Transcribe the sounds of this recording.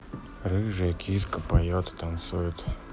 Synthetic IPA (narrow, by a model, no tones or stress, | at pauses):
rɨʐɨkʲʰiskəpajot̪ɨ̥t̪ant̪sujʊt̪